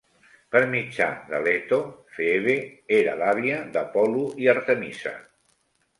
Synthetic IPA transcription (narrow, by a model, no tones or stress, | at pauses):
pəɾmid͡ʒa̰ðə̰lɛt̪ofeeβeeɾə̰laβiəðəpɔluiəɾt̪əmisə̰